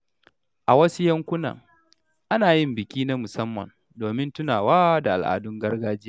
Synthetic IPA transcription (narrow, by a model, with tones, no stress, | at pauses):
ʔa˨wɐ˦su˦jɐ˦ŋkʷʊ˦na̰˨ŋ | ʔa˦naː˨jɪ˦mbɪ˨kʲiː˦na˦mʊ˨sɐ˦mːɐ̰˨n | doː˨mɪ˦ntʊ˦naː˨waː˦da˨ʔa̰˨lʔa̰ː˨dʊ˦ŋɡɐ˦rɡaː˦d͡ʒ